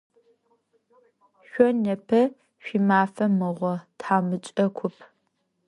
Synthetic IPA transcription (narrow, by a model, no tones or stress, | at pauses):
ɕʷɔnɐpʰɐ | ɕʷimaːfɐmɨʁʷɔtħaːmɨt͡ʃʼɐkʷʰʊpʰ